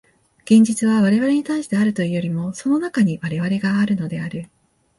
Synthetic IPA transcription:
ɡ̥ẽ̞ɲ̟d͡ʑit͡sɨβaβaɾe̞βaɾe̞ɲ̟it̪aiɕi̥t̪e̞aɾɯ̟t̪o̞ijo̞ɾʲimo̞so̞no̞nakaɲ̟iβaɾe̞βaɾe̞ɡaːɾɯ̟no̞d̪e̞aɾɯ̟

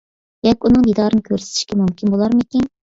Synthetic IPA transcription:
d̪ɛkʲunɨŋd̪id̪ɑːɾɨnɨkʲʰøɾsɪ̥t̪ʰɪ̥ʃkʲɛmumkʲinbolˠɑɾmɨkʲin

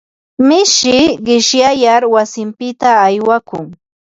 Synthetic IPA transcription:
mɪʃɪɢɪʃjajaɾwasɪmpɪt̪aːjwakʊŋ

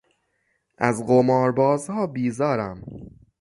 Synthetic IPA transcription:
ʔæzɢomɒːɾbɒːzhɒːbiːzɒːɾæm

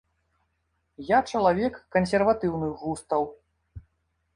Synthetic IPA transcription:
jat͡ʂɐlˠavʲɛkːɐnsʲɛrvat̪ɨwnɨxɣust̪ɐw

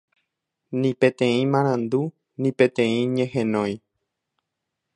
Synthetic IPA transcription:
nĩpẽt̪ẽĩmãɾ̃ãnd̪u | nĩpẽt̪ẽĩɲẽɦẽnõj

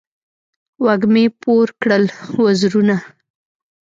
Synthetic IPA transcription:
waɡmepoɾkɽəlwazɾuna

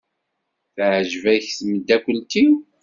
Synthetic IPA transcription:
θʕʒvæjçsməd̪ækʷːənt̪i

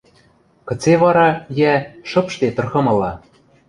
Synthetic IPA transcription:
kɤ̆t͡seβɑɾɑjæʃɤ̆pʃt̪et̪ɤ̆rxɤ̆mɤ̆lɑ

